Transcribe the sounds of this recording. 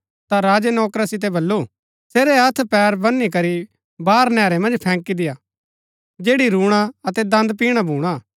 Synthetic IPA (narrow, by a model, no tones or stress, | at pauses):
t̪aɾaːd͡ʒenɔːkɾasɪt̪̬ebɐlːu | seːɾɛɐt̪ʰpɛːɾbɐnːik̬ɐɾi | baːɾnɛːɾemɐ̃nd͡ʒpʰɛ̃ːŋkid̪ɪjaː | d͡ʒeːɽiɾuːɽ̃aɐt̪ɛd̪ɐ̃nd̪piːɽ̃abʱuːɽ̃a